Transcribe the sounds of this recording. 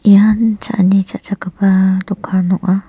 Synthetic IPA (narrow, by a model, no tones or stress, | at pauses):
jant͡ʃa̰ʔnĩt͡ʃaʔt͡ʃakapat̪ukʰaɾnũʔa